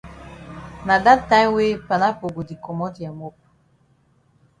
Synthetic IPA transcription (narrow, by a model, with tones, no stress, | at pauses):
na˨da˦ta˦we˦pa˨na˦po˨ɡo˨di˨kɔ˨mɔ˦dja˨mo˦p̚